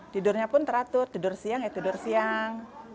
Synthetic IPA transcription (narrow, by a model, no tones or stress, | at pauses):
t̪idʊrɲapʊnt̪əɾat̪ʊrt̪idʊrsiaŋjat̪idʊrsiaŋ